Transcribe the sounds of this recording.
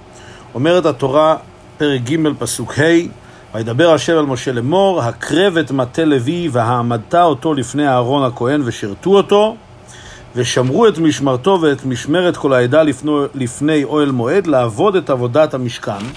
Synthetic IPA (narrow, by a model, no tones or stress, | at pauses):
o̞me̞ʁethato̞ʁa | pe̞ʁek̚ɡime̞lpasukhe̞j | vajed̪abe̞ʁaʃe̞valmo̞ʃe̞le̞mo̞ʁɦakʰʁe̞ve̞tmatele̞viveɦaːmad̪̚tao̞to̞lifnejaːʁo̞nhako̞e̞nveʃiʁtuo̞to̞ | ve̞ʃamʁue̞tmiʃmaʁto̞veːtmiʃme̞ʁetko̞laedallifne̞jo̞elmo̞e̞dlaavo̞de̞tavo̞dathamiʃkan